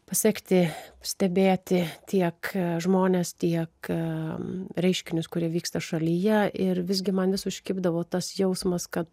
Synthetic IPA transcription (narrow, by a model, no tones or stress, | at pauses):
pɐsʲɛːkʲt̪ʲɪsʲt̪ʲɛbʲeːt̪ʲɪt̪ʲʰiɛkʒmoːnʲeːst̪ʲiɛk | ɾʲɛɪʃʲkʲɪnʲʊskʊɾʲiɛʋʲiːkst̪ɐʃɐlʲijɛʔɪrʋʲɪzʲɡʲɪmɐnʋʲɪsʊʃʲkʲɪːbd̪ɐʋoːt̪ɐsjɛʊsmɐskɐt̪